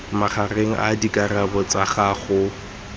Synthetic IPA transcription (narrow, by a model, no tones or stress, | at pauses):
maχareŋ̩ʔa̰dikʼarabɔt͡saχaːχʊ